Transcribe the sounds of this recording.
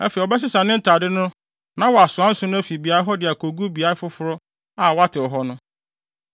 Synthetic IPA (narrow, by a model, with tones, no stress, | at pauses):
æ̰˦fe˨ɔ˨bɛ˦s̬ɪ˦sa˨nɪ̃˦n̩˦tʰa˨dɪ˦nʊ̃˦ | nã˦wɔ˨a˨sʊ˨ã˦n̩˦sʊ˦nʊ̃˦æ˦fi˨bi˨a˨˦ɾɪ˦ɦɔ˦dɪ˨a˨kʰo˨ɡu˦bi˨a˨ɾɪ˦fʊ˦fʊ˦ɾɔ˦ | a˨wɔ˦a˦tʰɪ˨ɔ˨ɦɔ˦nʊ̃˦